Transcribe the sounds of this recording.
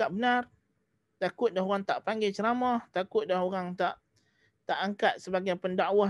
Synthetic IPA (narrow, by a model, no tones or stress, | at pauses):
aʔbənar | t̪akʊt̪̚daɦoɣaŋt̪aʔpaŋɡat͡ʃəɾamɔht̪akʊt̪̚daɦoɾaŋt̪aʔ | t̪aʔaŋkat̪̚səbaɡajpəndaʔwa